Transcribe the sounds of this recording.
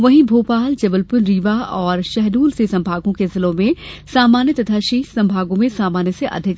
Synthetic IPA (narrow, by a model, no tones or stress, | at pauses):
ʋɐɦĩbʱoːpaːld͡ʒɐbəlpʊnɾiːʋaɔːɾʃɛɦd̪uːlsesɐ̃mbʱaːɡõkezɪlõmẽsaːmaːnjət̪ɐt̪ʰaʃiːsɐ̃mbʱaːɡõmẽsaːmaːnjəseʔɐ̰d̪ʱɪk